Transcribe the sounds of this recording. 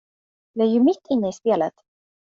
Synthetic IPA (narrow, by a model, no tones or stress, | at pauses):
j̪ɑæɾjɵmɪt̪ʰːɪnːəɪspeːlət̪